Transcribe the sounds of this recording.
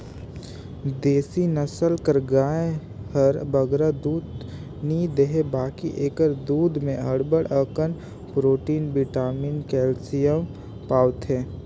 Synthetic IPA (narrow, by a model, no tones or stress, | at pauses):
d̪eːsinəsəlkəɾɡaːe | həɾbəɡɾad̪uːd̪ | nid̪eɦebaːkiʔeːkəɾd̪uːd̪mẽɦəɽbəɽəkən | pɾoːʈiːnbɪʈaːmiːnkɛːlsijə | paːʋt̪ɦɛː